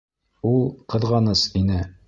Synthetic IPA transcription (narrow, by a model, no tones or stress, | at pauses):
ulˠqɤ̆ðʁɑnɤsinɘ